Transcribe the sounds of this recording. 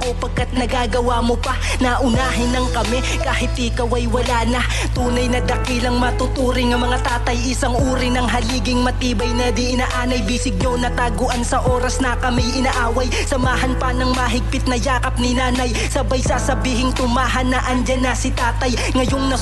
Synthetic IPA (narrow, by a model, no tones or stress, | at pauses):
kopɐɡ̚kat̪̚nɐɡaːɡɐwamopɐ | nɐʔʊnaːɦɪnɐŋkɐmɛ | kaːhɪt̪ʔɪkɐwɐjwɐlaːnɐ | t̪uːnɐjnɐd̪ɐkilɐŋmɐt̪ʊt̪uːɾɪŋɐmɐŋat̪aːt̪ɐjɪsaŋʔuːɾɪnɐŋɦɐliːɡɪŋmɐt̪iːbɐjnɛd̪ɪʔɪnaʔaːnɐjbiːsɪɡ̚ɲonɐt̪aːɡoʔɐnsɐʔo̞ːɾɐsnɐkɐmijɪnaʔaːwɐj | sɐmaːɦɐnpɐnɐŋmɐɦɪɡ̚pɪt̪̚nɐjaːkɐp̚nɪnaːnɐj | sɐbɐjsasɐbiːɦɪŋt̪ʊmaːɦɐnɐʔɐnd͡ʒanasɪt̪aːt̪ɐj | ŋɐjoŋnɐ